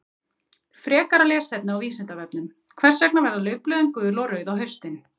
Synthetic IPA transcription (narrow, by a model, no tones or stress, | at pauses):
fɾɛːkaɾalɛːsɛpnɪawviːsɪnt̪avɛpnʏm | kʰvɛr̥sːɛknavɛɾðalœːɥplœːðʏŋkʏðʏɾlowɾœɥðawɦœɥ̥st̪ɪn